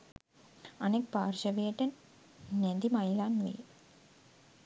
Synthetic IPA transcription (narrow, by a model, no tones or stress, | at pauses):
ɐnek̚paːrʃɐʋeeʈːɐn | ned̪imɐjilaːnʋḛj